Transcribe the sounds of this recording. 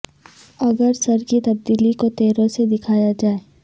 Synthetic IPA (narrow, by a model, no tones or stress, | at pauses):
ɐɡəɾsɐɾkit̪ɐb̚d̪iːlikot̪eːɾõsed̪ɪkʰaːjad͡ʒaːe